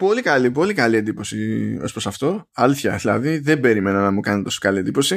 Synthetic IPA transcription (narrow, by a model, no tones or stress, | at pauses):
po̞likɐlip̬o̞likɐlie̞nd̪ipo̞sio̞̰spɾosɐft̪o̞ɐlθçɐðilɐ̰ðiðe̞be̞ɾime̞nɐnɐmukɐnet̪osi̥kɐlied̪ipo̞si